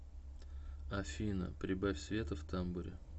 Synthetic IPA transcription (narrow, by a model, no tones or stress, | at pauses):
ɐfʲinə̰pɾʲɪbafʲsʲvʲe̞t̪əft̪ambʊɾʲɪ